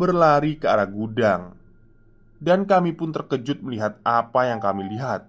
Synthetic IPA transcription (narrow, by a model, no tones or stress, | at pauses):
bərlaɾikəaɾaɡudaŋ | dankamipʊnt̪ərkəd͡ʒʊt̪̚məliɦat̪̚apajaŋkamiliɦat̪̚